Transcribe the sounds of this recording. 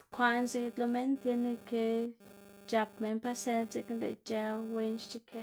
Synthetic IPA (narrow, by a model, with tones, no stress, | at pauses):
t̪kʷa˧nzi˧d̪lo˧me˦nt̪je˧ne˧ke˧ | t͡ʃa˧pme˧npa˦se˧nze˧˦knd̪ḛ˧˨t͡ʃa˧wwe˧nt͡ʃt͡ʃi˦kʰe˧